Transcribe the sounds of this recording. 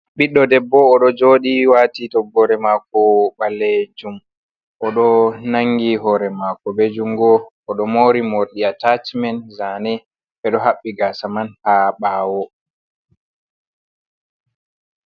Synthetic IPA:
ɓiɗːɔdɛbːɔːɗɔd͡ʒoːɗiwatitɔɡːɔɾɛmakɔɓalːed͡ʒum | ʔɔɗɔnaŋɡiɦɔɾɛmakɔbed͡ʒuŋɡɔ | ɔɗɔmoɾimoɾɗiatat͡ʃmɛnzanɛ | ɓɛɗɔɦaɓːiɡasamanhaɓaːwɔ

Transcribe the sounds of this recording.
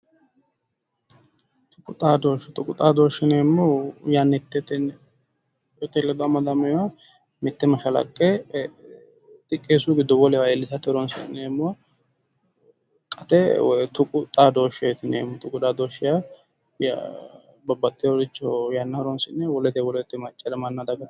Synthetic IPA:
t̪ʊkʼːʊt̪ʼaːd̪oːʃt̪ʊkʼʊt̪ʼaːd̪oːʃːɪnemːɔjanːɛt̪ːɛt̪ɛn | ɔt̪ːɛlːɛd̪ɔɐmːɐd̪ɐmɛja | mɪt̪ːɛmɐʃɐlɐ̰kʼːe | t̪ɪkʼːeːsuɡɪd̪ːɔwɔlɛwaɛlːɪsɐt̪ɪɔɾɔnsɪ̰nːɛmːɔ | kʼɐt̪ɛt̪ʊkʼʊt̪ʼaːd̪oːʃɛt̪ɪnɛ̰mːɔt̪ʊkʼʊd̪aːd̪oːʃɪja | j̰ | bɐbɐt̪ʼːɪjɔlɪt͡ʃːɔjanːɐɔɾɔnsɪnːɛwɔlɛt̪ɛwɔlɛt̪ːɛmɐt͡ʃʼːɛlɛmɐnːad̪ɐɡɐ

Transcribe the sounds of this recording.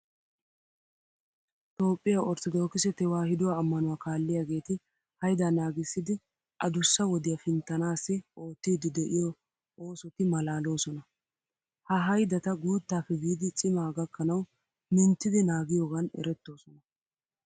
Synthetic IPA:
t̪o̞ːpʼːɪjaʔɔɾt̪ɔd̪o̞ːkɪsɛt̪ɛwaːhɪd̪ʊwaːmːɐnʊwaːkaːlːɪjaːɡe̞ːt̪ɪ | hɐjd̪anaːɡɪsːɪd̪ɪ | ʔɐd̪ʊsːɐwɔd̪ɪjɐfɪnt̪ːɐnaːsːɪʔo̞ːt̪ːiːd̪ɪd̪ɛʔɪjɔ | o̞ːsɔt̪ɪmɐlaːlo̞ːsɔnɐ | hɐɦɐjd̪ɐt̪ɐɡuːt̪ːaːfɛbiːd̪ɪt͡ʃʼɪmaːɡɐkːɐnɐw | mɪnt̪ːɪd̪ɪnaːɡɪjoːɡɐnɛ̰ɾɛt̪ːo̞ːsɔnɐ

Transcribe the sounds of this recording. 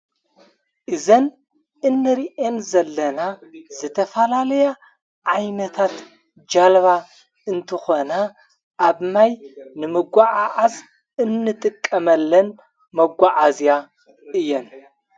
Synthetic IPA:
ʔɨzɐn | ɨnːɨɾiʔenzɐlːɐnazɨt̪ʰɐfɐlalɐja | ʕajnɐt̪ʰat̪ | d͡ʒalβa | ɨnt̪ʰɨxo̞na | ʔaβnajnɨmɨɡʷaʕaʕaz | ɨnːɨt̪ʼɨkʼːɐmɐlːɐn | mɐɡʷaʕazja | ɨjːɛn

